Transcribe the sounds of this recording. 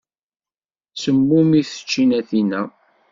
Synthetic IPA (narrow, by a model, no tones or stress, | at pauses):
səmːumiθə̥t͡ʃːinæθinæ